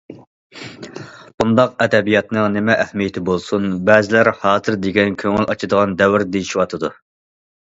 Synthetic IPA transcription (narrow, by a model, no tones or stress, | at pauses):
b̥und̪ɑq̚ɛd̪ɛbijɑt̪nɨŋnɪmɛʔːhmijet̪ʰɪbolˠsunbɛːzɪlæɾhɑːzɨɾd̪eɡʲɛnkʲʰøŋɪlʔɑt͡ʃʰɨd̪əʁɑnd̪ɛwɪɾd̪ejiʃiwɑt̪ʰɨd̪u